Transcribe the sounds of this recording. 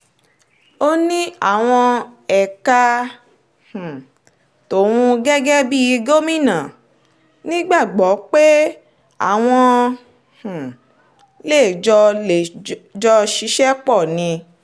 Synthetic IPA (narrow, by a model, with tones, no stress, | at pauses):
o˦nĩ˦a˦˨w̃ɔ̃˧ɛ˨ka˧ | h̩˨ | to˨wũ˧ɡɛ˦ɡɛ˦bi˦i˧ɡo˦mĩ˦˨nã˨ | nĩ˦ɡ͡ba˦˨ɡ͡bɔ˨˦k͡pe˦ | a̰˦˨w̃ɔ̃˧ | h̩˨ | le˦˨d͡ʒɔ˧e˨d͡ʒɔ˧ʃi˧˦ʃɛ˦k͡pɔ˦˨nĩ˧